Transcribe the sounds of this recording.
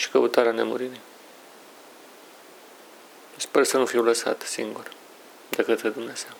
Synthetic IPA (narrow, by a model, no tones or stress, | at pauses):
ʃi̥kəut̪aɾeane̞̰mṵɾiɾi | spersənufiwləsa̰t̪sḭŋɡur | d̪ekət̪ɾed̪umnez̥ew